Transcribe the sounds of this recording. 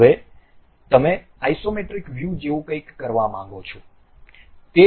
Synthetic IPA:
ʋe | t̪əmeaisomeʈɾikʋjud͡ʒeʋokəjkːəɾʋamãŋɡot͡ʃʰo | t̪e

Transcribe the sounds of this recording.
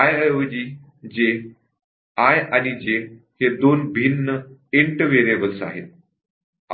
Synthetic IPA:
ajjod͡ʑiː | d͡ʑe | ajañid͡ʑe | hed̪onbʱinːəiɳʈəʋeɾebəlsa̰ɦḛt̪̚

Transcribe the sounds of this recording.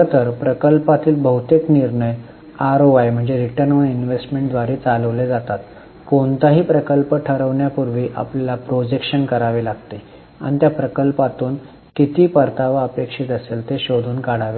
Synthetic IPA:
t̪əɾpɾəkəlpat̪iːlbʱəɦut̪ekniɾɳəj | aɾoʋajm̤əɳd͡zeɾiʈəɾnʋəinʋesʈmẽɳʈd̪ʋaɾeːt͡saləʋled͡zat̪at̪ | koɳt̪aɦiːpɾəkəlpəʈʰəɾəʋɳjapuɾʋiːʔa̰plalapɾod͡ʑekɕənkəɾaʋelaɡt̪e | a̰ɽ̃it̪japɾəkəlpat̪uːn | kit̪iːpəɾt̪ʰaʋaəpekʂit̪əseːlt̪eɕod̪ʱuːnkaɽaʋe

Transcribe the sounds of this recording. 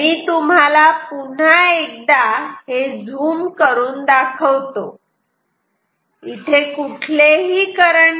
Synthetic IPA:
miːt̪um̤alapuɳ̤aek̚d̪aɦed͡zʱuːmkəɾuːnd̪akʰəʋt̪o | it̪ʰekuʈʰleɦiːkəɾəɳ

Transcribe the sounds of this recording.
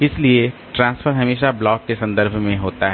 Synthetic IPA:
ɪslieʈɾãːnsfʰəɾɦɐmeːʃablɔːkːesɐ̃nd̪əɾbʱmẽɦoːt̪aɦɛ

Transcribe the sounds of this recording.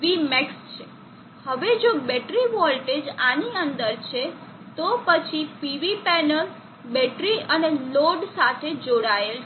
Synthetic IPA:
ʋimɛkst͡ʃʰe | həʋed͡ʒobɛʈɾiʋɔlʈed͡ʒaniənd̪əɾt͡ʃʰe | t̪opət͡ʃʰipiʋipɛnəl | bɛʈɾiəneloɖsat̪ʰed͡ʒoɽael

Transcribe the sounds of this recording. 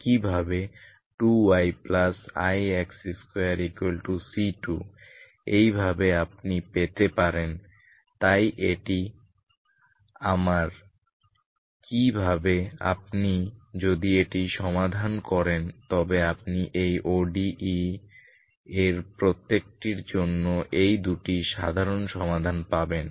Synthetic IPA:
kibʱabe | ʈuajplasa̰jɛksiskojaɾikwelʈusiʈu | ejbʱabeap̚nipet̪epaɾen | t̪ajʔeʈi | amaɾ | kibʱabea̰p̚nid͡ʑod̪ieʈiʃɔmad̪ʱankɔɾent̪ɔbeap̚niʔejʔoɖii | eɾpɾot̪ːek̚ʈiɾd͡ʑonːoʔejd̪uʈiʃa̰d̪ʱaɾonʃɔmad̪ʱanpaben

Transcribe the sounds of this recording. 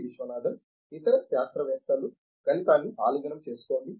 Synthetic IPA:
ʋiʃʋɐnaːd̪ʱɐm | it̪ɐɾɐʃaːst̪ɾɐʋɛːt̪ɐlu | ɡ̥ɐlip̪aːnːiʔa̰ːluːd͡ʒɐnɐmt͡ʃe̞ːsu̥ko̞ːɳɖi

